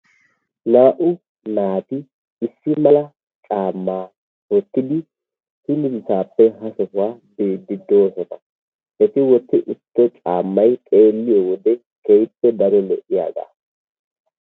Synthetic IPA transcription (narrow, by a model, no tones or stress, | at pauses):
naːʔʊ | naːt̪ɪ | ɪsːɪmɐlɐ | t͡ʃʼaːmːaː | wɔt̪ːɪd̪ɪ | hɪnɪsɪsaːpːɛɦɐsɔhʊwaːbe̞ːd̪ːɪd̪oːsɔnɐ̰ | ʔɛt̪ɪwɔt̪ːɪʔʊt̪ːɛt͡ʃʼaːmːɐjkʼe̞ːlːɪjɔwɔd̪ɛ | kɛjpːɛd̪ɐɾɔlɛʔɪja̰ːɡa̰ː